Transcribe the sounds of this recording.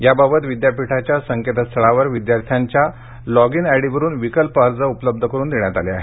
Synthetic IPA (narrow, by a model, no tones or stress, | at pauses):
jababət̪ʋid̪japiʈʰat͡ɕjasəŋket̪əst̪ʰəɭaʋəɾʋid̪jaɾt̪ʰjaɲt͡ɕja | lɔɡinɛɽiʋəɾuːnʋikəlpaɾd͡zəupələb̚d̪ʱəkəɾuːnd̪eɳjat̪aleaɦe